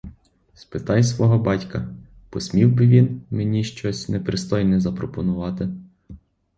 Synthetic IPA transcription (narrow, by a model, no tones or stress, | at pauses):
spɪt̪ɑjsʋɔɦɔbɑtʲkɐ | pɔsʲmʲiwbɪʋʲinmenʲiʃt͡ʃɔsʲnɛpɾɪst̪ɔjnɛzɐpɾɔpɔnʊʋɑt̪ɪ